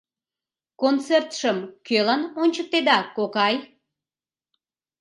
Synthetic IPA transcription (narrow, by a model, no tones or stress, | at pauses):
kont͡sert̪ʃəmkølɑnonʲt͡ɕək̚t̪ed̪ɑkokɑj